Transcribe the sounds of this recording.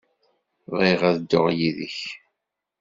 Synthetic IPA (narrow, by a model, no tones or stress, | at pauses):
ðiʁæðəd̪ːoʁjiðə̰ç